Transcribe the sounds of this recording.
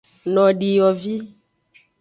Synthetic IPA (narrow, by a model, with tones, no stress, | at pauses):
nɔ̃˨ɖi˨jɔ˨vi˦